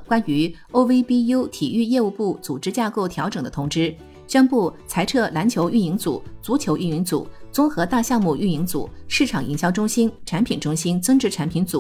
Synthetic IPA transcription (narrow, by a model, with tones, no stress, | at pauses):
kwa˥ny˧˥ | o˥ʊwe˥ɪpi˥ju˥ʊt̪ʰi˨˩y˥˧jɛ˥˧u˥˧pu˥˩t͡su˨˩ʈ͡ʂɻ̩˥t͡ɕja˥˧ko˥˩ʊt̪ʰjɑ˧˥ʊʈ͡ʂɤ˨˩ŋd̪ə˦t̪ʰʊ˧˥ŋʈ͡ʂɻ̩˥ | ɕɥɛ˥npu˥˩t͡sʰa˧˥ɪʈ͡ʂʰɤ˥˩la˧˥nt͡ɕʰjo˧˥ʊʔy˥˩ni˧˥ŋt͡sṵ˨˩˦t͡su˧˥t͡ɕʰjo˧˥ʊʔy˥˩ni˧˥ŋt͡sṵ˨˩˦t͡sʊ˥ŋxɤ˧˥t̪a˥˧ɕjɑ˥˧ŋmu˥˧y˥˩i˧˥ŋt͡sṵ˨˩˦ʂɻ̩˥˩ʈ͡ʂʰɑ˨˩ŋʔḭ˧˨˩ŋɕjɑ˥˩ʊʈ͡ʂʊ˥ŋɕi˥nʈ͡ʂʰa˧˥npʰi˨˩nʈ͡ʂʊ˥ŋɕi˥nt͡sɤ˥ŋʈ͡ʂɻ̩˧˥ʈ͡ʂʰa˧˥npʰi˧˥nt͡sṵ˨˩˦